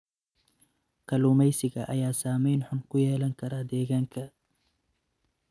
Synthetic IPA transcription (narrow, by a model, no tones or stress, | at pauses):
kʰɐluːmɛjsɪɣɐʔɐ̰jaːsaːmɛjnħʊnkʰʊjɛːlɐŋkʰɐɾaːd̪ɛːɣaːŋkʰɐ